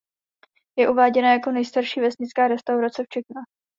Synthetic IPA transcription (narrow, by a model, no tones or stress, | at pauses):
jɛʔuvaːɟɛnajako̞nɛjst̪aɾʃiːvɛsɲɪt͡skaːɾɛst̪awɾat͡sɛft͡ʃɛxna